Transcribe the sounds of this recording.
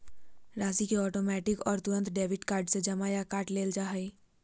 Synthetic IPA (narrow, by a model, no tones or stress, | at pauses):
ɾaːzikeɔːʈoːmɛːʈɪkɔːɾt̪ʊɾə̃nt̪ɖeːʋɪʈkaːɾɖsed͡ʒɐmajakaːʈleːld͡ʒaːɦɛi